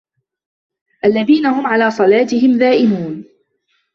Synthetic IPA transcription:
ʔalːaðiːnahʊmʕalaːsˤɑlaːt̪ɪɦɪmðaːʔɪmuːn

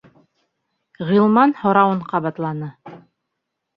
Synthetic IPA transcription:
ʁilˠmɑnhŏɾɑwɤɴqɑβɑt̪lˠɑnɤ

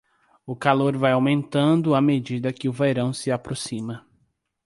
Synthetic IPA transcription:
ʊkaloɾvajawmẽnt̪ɐ̃nd̪ʊamed͡ʒid̪ɐkɪʊvejɾɐ̃w̃sɪapɾosĩmɐ

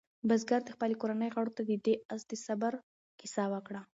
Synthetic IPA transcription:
bazɡaɾd̪əxpalekoɾanəjɣaɽot̪ad̪əd̪eazd̪əsabaɾ | kɪsawəkɽa

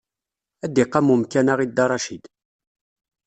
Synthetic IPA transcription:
æd̪ːiqːɑmumkænaʁid̪ːɑɾˤɑʃid̪

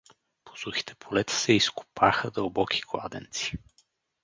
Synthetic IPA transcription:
po̥suxi̥t̪ʰɛ̥pʰolɛt̪ə̥sɛisku̥pʰaxəd̪ɐlˠbɔkʰi̥ɡlˠa̰d̪ɛ̰nt̪si̥

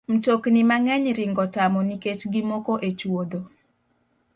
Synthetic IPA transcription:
m̩toknimaŋɛɲɾɪŋɡɔtamɔniket͡ʃɡimokoʔet͡ʃwod̪o

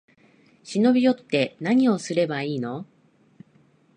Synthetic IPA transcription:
ɕino̞bʲijo̞t̪ːe̞naɲ̟io̞sɨɾe̞baiːno̞

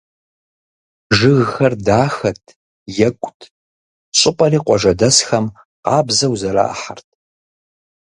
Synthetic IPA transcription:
ʒɨɣxɐrdaːxɐtʰ | jɛkʷʼʊtʰ | ɕʼɪpʼɐriːqʷɔʒɐdɐsxɐm | qɑːbzɐwzɐɾa̰ːʔħɐrtʰ

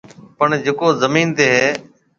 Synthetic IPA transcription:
pəɳd͡ʒeːkoːzəmiːnt̪eːɦeː

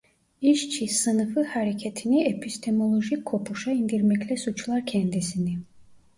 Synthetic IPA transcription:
iʃt͡ʃʰisɯnɯfɯhaɾecʰɛt̪ʰiniepʰist̪ʰemo̞lˠoʒikʰːo̞pʰuʃɑind̪iɾmɛclʲɛsut͡ʃlˠaɾcʰɛnd̪isini

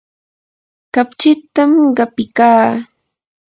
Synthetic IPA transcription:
kapt͡ʃɪt̪amɢɑpɪkaː

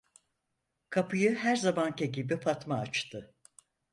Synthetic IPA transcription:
kʰapʰɯjɯɦæɾzamancʰeɟibipʰat̪maːt͡ʃt̪ʰɯ

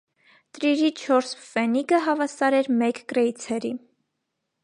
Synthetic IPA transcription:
t̪ɾiɾit͡ʃʰɔɾsfɛniɡəɦɑvɑsɑɾɛɾmɛkkɾɛjt͡sʰɛɾi

